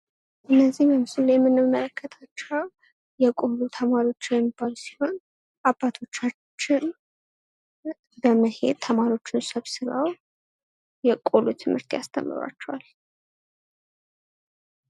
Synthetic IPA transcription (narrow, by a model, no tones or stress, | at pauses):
ʔɨnːəzːihmjɛmɨsɨlːajɛmːɨnːɨmːələkʰːət̪ʰat͡ʃːəw | jɛkʼo̞lut̪ʰəmaɾio̞t͡ʃːɪjɛmːibːalusi̥ho̞n | ʔabːat̪ʰo̞t͡ʃːat͡ʃːɪn | bəməhe̞̰d̪̚t̪ʰəmaɾio̞t͡ʃːɪnsəβsɨɾa̰w | jɛkʼo̞lut̪ʰɨmhɨɾt̪ʰjast̪ʰə̰mːɨ̰ɾa̰t͡ʃːɛwal